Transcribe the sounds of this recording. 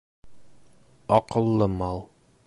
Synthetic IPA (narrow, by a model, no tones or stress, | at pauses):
ɒqɤ̆lˠːɤmɑlˠ